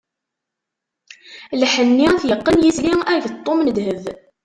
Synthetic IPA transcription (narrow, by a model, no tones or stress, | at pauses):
lħənːiθjəqːənjiθliæʝt̪ˤːomnəd̪həð